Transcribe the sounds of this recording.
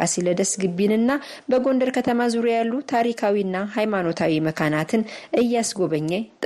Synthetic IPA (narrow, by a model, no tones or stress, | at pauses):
asiləd̪əsɡɨbːinɨnːa | bəɡo̞nd̪əɾkʰət̪ʰəmazuɾujalːut̪ʰaɾikʰawiɨnːaɦajmano̞t̪ʰawiməkʰanat̪ʰɨnʔɨjːasɡo̞βəɲːɛt̪ʼ